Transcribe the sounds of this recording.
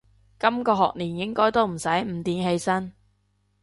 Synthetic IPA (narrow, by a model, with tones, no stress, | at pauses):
kɐ˥mkɔː˧ɦɔː˨k̚niː˨˩njɪ˥ŋkɔː˥jt̪o˥wm̩˨˩sɐ˨˥jm̩˨˥t̪iː˨˧nɦe˧jsɐ˥n